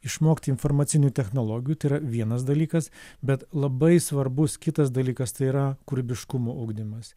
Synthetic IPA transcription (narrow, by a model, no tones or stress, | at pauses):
ɪʃmoːkʲt̪ʲːɪnfoːɾmɐːt̪sʲɪnʲuːt̪ʲɛxnoːlˠoːɡʲɪjut̪ɐɪiɾɐʋʲiɛnɐsd̪ɐlʲiːkɐsbʲɛt̪lˠɐbɐɪsʋɐɾbʊskʲɪt̪ɐs̬d̪ɐlʲiːkɐst̪ɐɪiɾɐkʊɾʲbʲɪʃkʊmoːʔɐʊɡd̪ʲɪmɐs